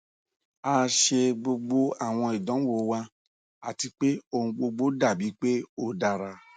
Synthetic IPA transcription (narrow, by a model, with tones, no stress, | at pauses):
a˧ʃe˧ɡ͡bo˧ɡ͡bo˧a˦˨w̃ɔ̃˧i˨dɔ̃˨˦wo˨˧˨wa˧ | a˨ti˧k͡pe˦o˧ũ˧ɡ͡bo˧ɡ͡bo˦da˦˨bi˨˦k͡pe˦o˧da˧ɾa˧